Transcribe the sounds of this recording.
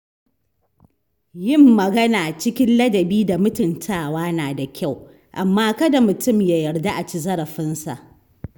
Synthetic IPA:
jɪ˦mːɐ˨ɡɐ˦naː˨t͡ʃɪ˦kʲɪ˦nlɐ˦dɐ˨biː˦da˨mʊ˦tʊ˨ntʰaː˦˨waː˦naː˨da˨kʲʰa˦˨w | ʔa˨mːaː˦kɐ˦da˨mʊ˨tʊ˦˨mja˨jɐ˨rda˦ʔa˨t͡ʃi˦zɐ˦ɾɐ˨ɸɪ˦nsa̰˨ʔ

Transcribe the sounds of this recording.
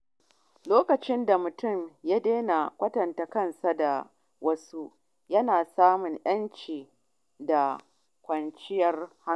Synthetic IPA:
loː˦kɐ˨t͡ʃɪ˦nda˨mʊ˨tʊ˦˨mjaː˦deː˦na˨kʷɐ˦tɐ˨nta˨kɐ˦˨nsa˨da˨ | wʔɐ˦su˦ | jɐ˦naː˨saː˦mʊ˨ŋʔj̰ɐ˦nt͡ʃiː˨ | da˨ | kʷɐ˨nt͡ʃɪ˦jɐ˦rha˦˨

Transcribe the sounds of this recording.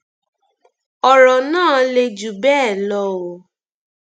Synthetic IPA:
ɔ˨ɾɔ˨nãː˦˨le˧d͡ʒu˨bɛː˦˨lɔ˧˦o˨

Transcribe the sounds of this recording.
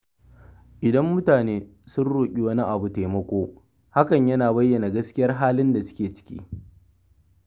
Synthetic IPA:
ʔɪ˨dɐ˦mːʊ˦taː˨neː˦sʊ˦nɽuː˨kʲʼi˨wɐ˦ni˦ʔa˨bu˨teː˨mɐ˦kʷoː˦ | ha˦kɐ˨ɲjɐ˦naː˨bɐ˦jːɐ˨na˨ɡɐ˦skʲɪ˦jɐ˦rɦaː˦lɪ˦nda˨sʊ̥˦kʲeː˨t͡ʃɪ̥˦kʲḭː˦

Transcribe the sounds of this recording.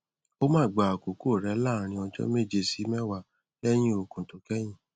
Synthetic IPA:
o˦mãː˦˨ɡ͡ba˨a˨ko˨ko˦˨ɾɛ˨˦la˦˨˦ɾ̃ĩ˧ɔ˧d͡ʒɔ̰˦me˦˨d͡ʒe˧si˨˦mɛ˦wa˧˨ | ɛ˦j̃ĩ˦o˧kũ˨to˨kɛ˦j̃ĩ˦˨

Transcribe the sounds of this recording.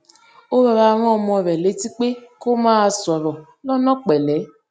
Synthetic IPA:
o˦ɾɔ˧ɾa˧˦ɾ̃ɔ˦˨mɔ˧˨ɾɛ˨le˨˦ti˦k͡pe˦ko˦maː˦˧˨sɔ˨ɾɔ˨ | lɔ˦nɔ˦k͡pɛ˨lɛ˨˦

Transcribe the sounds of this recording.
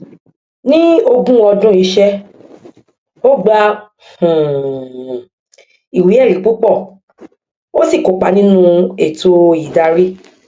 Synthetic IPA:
nĩ˦o˧ɡũ˦ɔ˧dũ˦i˧ʃɛ˦ | o˦ɡ͡ba˦ | h̩˨ | i˨wi˨˦ɛ˦˨ɾi˨˦k͡pu˦k͡pɔ˦˨ | o˦si˦˨ko˨˦k͡pa˧˦nĩ˦nũ˦e˨to˧i˨da˧ɾi˦

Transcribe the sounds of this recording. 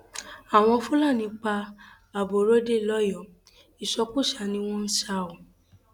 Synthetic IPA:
a˨w̃ɔ̃˧fũ˦la˦˨nĩ˧k͡pa˧ | a˨bo˨ɾo˦de˦˨lɔ˦jɔ˨ | i˨ʃɔ˧ku˦˨ʃa˨˧˨nĩ˧w̃ɔ̃˦n̩˦ʃa˧o˨

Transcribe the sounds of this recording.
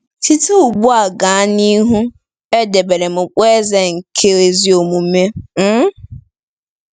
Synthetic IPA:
ti˦to˦u˨bu˦a˨ɡa˨˦ni˦ɦu˦ | e˦de˨be˨ɾe˨mʊ˨k͡pe˦ze˦ŋ̩˨kʰe˦e˨zi˦o˨mu˨˦me˦m̩˦

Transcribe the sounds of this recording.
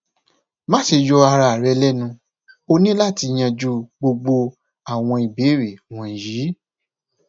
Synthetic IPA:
mã˦ʃe˧jɔ˧a˧ɾa˧˨ɾɛ˨˧lɛ˦nũ˧ | o˧nĩ˦la˦˨ti˧j̃ã˧d͡ʒu˦ɡ͡bo˧ɡ͡bo˧ | a˦˨w̃ɔ̃˧i˨be˨˦ɾe˨w̃ɔ̃˨ji˨˦

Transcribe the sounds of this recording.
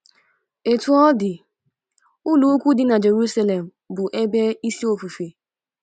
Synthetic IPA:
e˨tu˨˦ɔ˦dɪ˨ | ʊ˦lu˨˦kʷu˦dɪ˨˦na˨d͡ʒe˨ɾu˦sa˦le˨m̩˨bʊ˨ʔe˦be˦i˦si˦o˨fu˨fe˨

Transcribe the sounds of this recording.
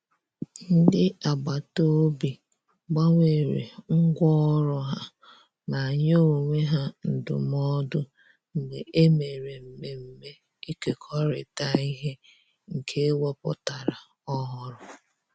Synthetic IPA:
n̩˦dɪ˦a˨ɡ͡ba˨to˦bi˨ | ɡ͡ba˦ŋʷe˨ɾḛ˨ŋ̩˦ɡʷɔ˦ɾʊ˦ɦa˦ | na˨ɲ˦o˦˨ŋʷe˦ɦa˦n̩˨dʊ̰˨m˦ɔ˦dʊ˦ | ŋ̩˨de˨ʔe˦me˨ɾe˨m̩˨me˨m̩˨me˦ | i˦ke˨kʰɔ˦ɾɪ̰˨ta˦i˦ɦe˦ | ŋ̩˨kʰe˦wɔ˦pʊ̰˦ta˨ɾa˨ | ɔ˦ɦɔ˦ɾʊ˨

